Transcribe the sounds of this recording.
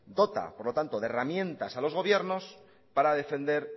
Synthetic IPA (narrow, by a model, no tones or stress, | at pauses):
d̪o̞t̪a̰poɾlo̞t̪ant̪o̞ðeramjẽ̞nt̪asalozɣo̞βje̞ɾno̞s | paɾaðe̞fe̞nd̪e̞ɾ